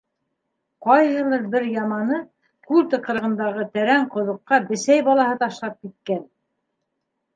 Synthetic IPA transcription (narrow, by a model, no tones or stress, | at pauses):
qɑjhɤ̆lˠɤɾbɘɾjɑmɑnɤ | kʉlʲt̪ɤ̆qɤ̆ɾɤ̆ʁɤ̆nd̪ɑʁɤt̪æɾæɴqŏðŏqːɑbɘ̆sæjbɑlˠɑhɤt̪ɑʃlˠɑp̚kit̪̚kæn